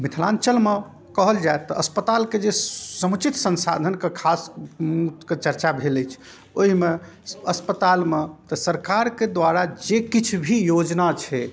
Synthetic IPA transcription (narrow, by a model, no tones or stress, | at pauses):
mit̪ʰlã̰nt͡ʃəlme | kəɦəld͡ʒaet̪ːɔəspət̪alked͡ʒesəmt͡ʃit̪sənsa̰d̪ʱənkekʰasmut̪ket͡ʃəɾt͡ʃabʱeləjt͡ʃʰ | oɦime | əspət̪almet̪ɔsəɾkaɾked̪waɾad͡ʒekit͡ʃʰbʱijod͡ʒnat͡ʃʰɛ